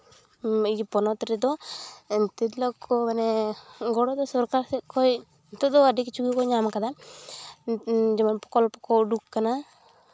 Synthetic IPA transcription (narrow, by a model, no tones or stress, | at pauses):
id͡ʒpɔnɔt̪ɔɾɛd̪ɔ | t̪id̪lɔkʰɔmanɛɡɔɽɔd̪ɔsɔɾkaɾsɛkʰɔj | t̪ɔd̪ɔadikt͡ʃuɡikɔɲamkad̪a | d͡ʒɛmanpɔ̥kɔlpɔkɔwɖukːana